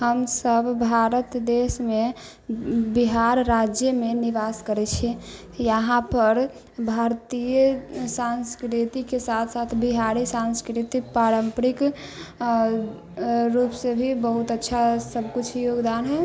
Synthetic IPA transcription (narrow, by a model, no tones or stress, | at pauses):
həmsəbbʱaɾət̪d̪esme | biɦaɾɾad͡ʒjəmeniʋaskəɾɛt͡ʃʰi | jəɦãpəɾ | bʱaɾt̪ijəsanskɾit̪ikesat̪ʰsat̪ʰbiɦaɾisãnskɾit̪ipaɾəmpɾik | ɾupsebʱibəɦut̪ətːʃʰasəbkut͡ʃʰjoɡd̪anɦɛ